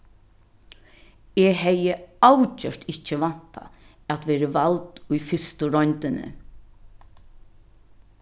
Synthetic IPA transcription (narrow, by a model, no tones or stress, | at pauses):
ɛɦɛjəawt͡ʃœɾ̥t̪ɪht͡ʃːəʋan̥t̪ʰa̰ | æt̪ʋɛːɾəʋalt̪ʊjfɪst̪ʊɾɔnt̪ɪnɪ̰